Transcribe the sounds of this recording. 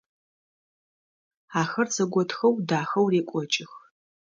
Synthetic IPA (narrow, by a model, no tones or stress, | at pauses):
aːxɐrzɐɡʷɔtxɐwdaːxɐwreːkʷʼɔt͡ʃʼɪx